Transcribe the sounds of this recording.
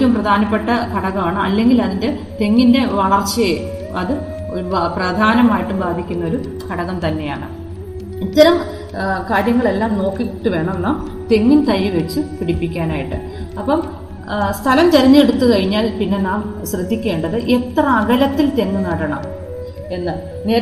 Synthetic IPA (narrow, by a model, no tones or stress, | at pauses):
umprɐd̪ʱaːnɐpːe̞ʈːɐkɐɽɐɣɐmaːɳɨɐ̰lːe̞ŋɡilɐðinde̞ | t̪e̞ŋːinde̞ʋɐɭɐrt͡ɕːɐje | ɐðɨ | oɾuprɐd̪ʱaːnɐmaːjiʈːumbaːd̪ʱikʲːunːɐo̞ɾu | kɐɽɐɣɐmt̪ɐnːe̞ja̰ːɳɨ̰ | it̪ːɐɾɐm | kaːɾjɐŋːɐɭe̞lːaːmno̞ːkːikiʈːɨʋe̞ːɳɐmenːaːm | t̪e̞ŋːint̪ɐjːuʋet͡ɕːɨpiɽipːikʲːaːnaːjiʈːɨ̰ | ɐpːɐm | st̪ʰɐlɐmt̪ɐɾɐɲːɨeɽut̪ːukɐɻiɲːaːlpinːe̞naːmɕrɨd̪ʱːikʲːe̞ːɳɖɐðɨʔe̞t̪rɐɐɡɐlɐt̪ːilt̪e̞ŋːunɐɽɐɳɐm | e̞nːɨ | ne̞ː